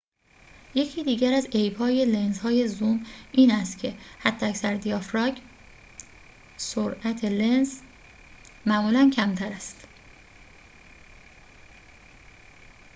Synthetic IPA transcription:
je̞cʰiːd̪iːɟæɾæzejbhɒːje̞le̞nzhɒːje̞zumʔiːnæst̪cʰe̞hæd̪̥ːeæcsæɾd̪ijɒːfɾɒːɟ | soɾʔæt̪ʰe̞lenz | mæmuːlæncʰæmt̪ʰæɾæst̪

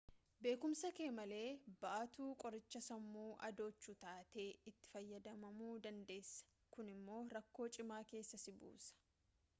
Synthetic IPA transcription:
be̞ːkʊmsɐkeːmɐle̞ːbɐʔɐt̪uːkʼɔɾɪt͡ʃːɐsɐmːuːʔɐ̰d̪o̞ːt͡ʃːuːt̪aːt̪e̞ːɪt̪ːɪ̥fɐjːɐd̪ɐmɐmuːd̪ɐnd̪e̞ːsːɐ̥ | kʊnɪmːo̞ːɾɐkːo̞ːt͡ʃʼɪmaːke̞ːsːɐsɪbṵːsɐ̥

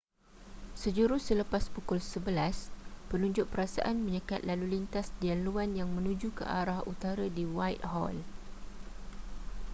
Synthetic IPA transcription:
səd͡ʒuɾʊhsələpaspukʊlsəbəlaspənũɲd͡ʒʊʔ̚pəɾasa̰ʔanmə̃ɲəkat̪̚lalulint̪asdianluanjaŋmə̃nũd͡ʒukə̰ʔaɾahut̪aɾadiwajt̚hɔ̰l

